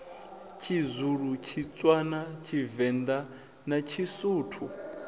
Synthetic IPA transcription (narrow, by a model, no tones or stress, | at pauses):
t͡ʃʰizuɺut͡ʃʰit͡sʼwanat͡ʃʰivɛnd̪a | nat͡ʃʰisuːtʰu